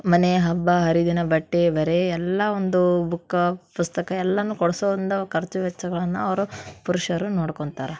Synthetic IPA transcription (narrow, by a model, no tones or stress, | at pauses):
mɐneɦɐbːɐɦɐɾid̪inɐbɐʈːeʋɐɾeɛlːɐond̪ubukːɐpust̪ɐkɐɛlːɐnːukɔɽɐsoːd̪ind̪ɐkʰɐɾt͡ʃuʋɛt͡ʃːɐɡɐɭɐnːuɐʋɐɾupuɾuʂɐɾunoːɽkoɳt̪aːɾe